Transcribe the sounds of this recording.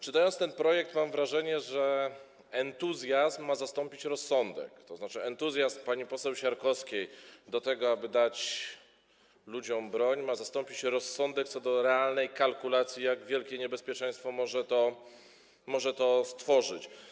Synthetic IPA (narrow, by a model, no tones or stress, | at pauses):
t͡ʂɨt̪ajɔnt̪st̪ɛnpɾɔjɛkt̪mamvɾaʐɛɲɛʐɛ | ɛnt̪uzʲjazmːazast̪ɔmpʲit͡ɕɾɔsːɔnd̪ɛ̰kt̪ɔznat͡ʂɘɛnt̪uzʲjazmpaɲipɔsɛwɕaɾkɔskʲejd̪ɔt̪ɛɡɔabɘd̪at͡ɕ | lud͡ʑɔmbɾɔɲmazast̪ɔmpʲit͡ɕɾɔsːɔnd̪ɛk̚t̪sɔd̪ɔɾɛalnɛjkalkulat̪sʲjijaɡvʲjɛlkʲɛɲɛbɛspʲjɛt͡ʂɛj̃st̪fɔmɔʐɛt̪ɔ | mɔʐɛt̪ɔst̪fɔʐɘt͡ɕ